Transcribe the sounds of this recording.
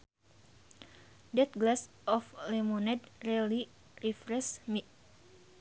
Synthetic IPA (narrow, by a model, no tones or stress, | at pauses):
dɛt̪̚ɡlas | ʔɔflemonɛd̪rili | rifɾɛsmi